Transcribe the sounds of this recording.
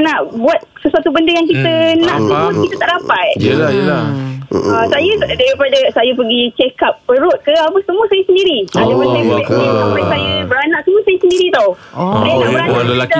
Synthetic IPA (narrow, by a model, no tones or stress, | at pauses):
naʔbuat̪̚səsuat̪ubəndəjaŋkit̪ənãʔt̪əmʊskit̪ət̪aʔdapat̪̚jəlajəla | asajadaɾipadasajapəɡit͡ʃekap̚pəɾʊt̪̚kəap̬asəmũəsajasəndiɾiadapansajəbuatapasajabəɾanaʔsəmuəsajəsəndiɾit̪aw | sajanaʔbəɾana